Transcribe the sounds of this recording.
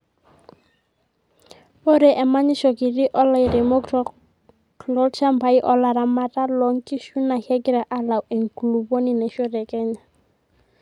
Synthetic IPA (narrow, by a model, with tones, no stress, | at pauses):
o˦ɾɛ˨ʔɛ˨ma˦ɲi˦ʃɔ˨ki˨ɾi˦ʔɔ˦la˨iɾɛ˨mɔ˦k | klɔ˦lt͡ʃa˦mba˨˦i˦ʔɔ˦la˨ɾa˨ma˦ta˦lɔ˨ŋki˦ʃu˦na˨hɛ˦ɡi˦ɾa˨ʔa˦la˨wʔɛ˨ŋklu˨bo˦ni˦nɛ˨ʃɔ˦ɾɛ˨kɛ˦ɲa˨